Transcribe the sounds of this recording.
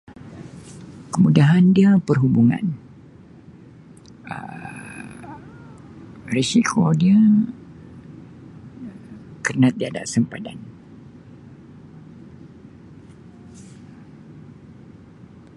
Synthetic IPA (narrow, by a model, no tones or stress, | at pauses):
kəmudaɦandiəpərɦubuŋã̰n | ə̰ | rɛsikʰodiə | kərnat̪̚diada̰ʔsəmpada̰n